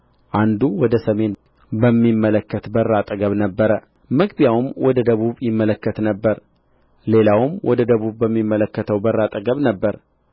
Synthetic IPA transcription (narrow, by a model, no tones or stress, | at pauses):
ʔand̪uwɔd̪əsəme̞n | bəmːimːələkːət̪bərːat̪ʼəɡəβnəbːəɾə | məɡbjawmwɔd̪əd̪əβuβjɪmːələkːət̪nəbːəɾ | le̞lawmwʔɔd̪əd̪əβuβbəmːimːələkːət̪ʰəwbərːat̪ʼəɡəβnəbːəɾ